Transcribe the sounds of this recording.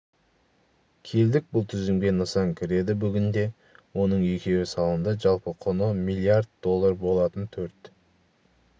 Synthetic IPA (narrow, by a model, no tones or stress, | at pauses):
kʲʰe̞ld̪ɪk̚bʊlˠt̪ʰʏzɪmɡʲenəsɑŋkʲʰɪɾe̞d̪ɪbʏɡʲɪnd̪e̞ | wo̞nəɴʏkʲʰe̞wɪsɑlˠənd̪əʒɑlˠpəqʰonəmilˠiard̪̚d̪o̞lˠːaɾbo̞lˠɑt̪ənt̪ʰɵɾt̪